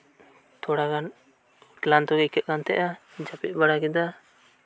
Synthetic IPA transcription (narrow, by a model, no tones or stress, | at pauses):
t̪ɔɽaɡan | klant̪ɔɡɛkɛt̪̚kant̪ɛ̰ʔad͡ʒapit̪̚ˀbaɽaɡɛd̪a